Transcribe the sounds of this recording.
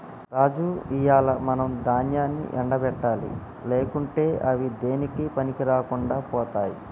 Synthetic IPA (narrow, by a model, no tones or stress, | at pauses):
ɾaːd͡ʒuijaːlɐmɐnɐmd̪aːnjaːnːḭʔɛɳɖɐbɛʈːaːlḭ | leːkuɳʈe̞ːʔɐʋid̪e̞ːnikipɐnikiɾaːkuɳɖaːpɔːt̪aːji